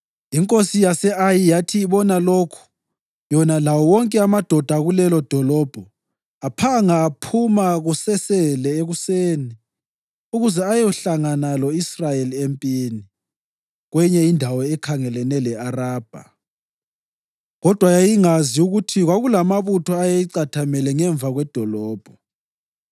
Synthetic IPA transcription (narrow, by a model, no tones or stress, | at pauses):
iŋkʼosijasɛajijatʰiːβɔnalokʰu̥ | jɔnalawɔwɔŋkʼɛamad̥ʱɔd̥ʱaɣulɛlɔd̥ʱɔlɔb̥ʱɔ | apʰaŋaːpʰumaɣusɛsɛlɛeɣuseːni | uɣuzɛajɔɬaŋanalɔisrajeliempʼieni | ɣwɛɲɛindʱawɔɛkʰaŋɛlɛnɛlɛaraːb̥ʱa̰ | ɣɔd̥ʱwajajiŋaziuɣutʰiɣwaɣulamaβutʰɔajajiǀatʰamɛlɛŋɛɱvʱaɣwɛd̥ʱɔlɔːb̥ʱɔ